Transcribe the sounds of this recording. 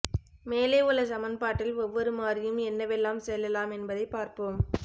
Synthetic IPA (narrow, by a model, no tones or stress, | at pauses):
meːleːʊɭːɐsɐmɐnpaːʈːɪlɔʋːɐɾɯmaːrɪjɯmɛnːɐʋɛlːaːmsɛlːɐlaːmɛnbɐðɐɪpːaːɾpoːm